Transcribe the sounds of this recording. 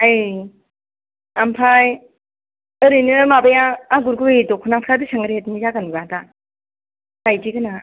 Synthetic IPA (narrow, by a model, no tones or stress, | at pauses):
aj | ampʰaj | ɯɾɯnɯmabajaːɡuɾɡɯedɔkʰunapʰɾadɯsaŋɯɾetnizaɡanɡada | ajd͡ʒiɡɯna